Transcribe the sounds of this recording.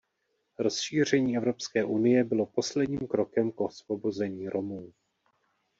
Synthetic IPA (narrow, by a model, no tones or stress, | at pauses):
ɾo̞sʃiːr̝ɛɲiːɛvɾo̞pskɛːʔunɪjɛbɪlo̞po̞slɛdɲiːmkɾo̞kɛmkosvo̞bo̞zɛɲiːɾo̞muː